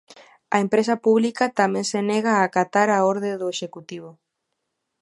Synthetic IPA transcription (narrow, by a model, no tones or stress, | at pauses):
a̰empɾesapuβlikat̪amẽŋseneɣaːkat̪aɾaoɾðeðoeʃekut̪iβ̞o